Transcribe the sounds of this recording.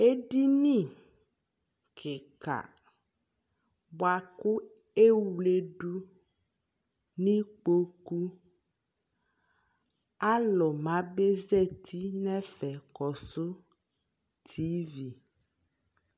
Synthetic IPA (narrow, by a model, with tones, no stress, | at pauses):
e˦ɖi˦nĩ˦˨ | kʰe˨ka̰˨ | bɔ˨˦a˨ku˦ | e˦wle˦ɖu˦ | nĩ˦k͡po˦ku˦ | a˦lɔ˨mã˨˦be˦zɛ˦˨t̪ʰi˦nɛ̃˦fɛ˨kɔ˨so˦ | t̪ʰi˨˦vi˨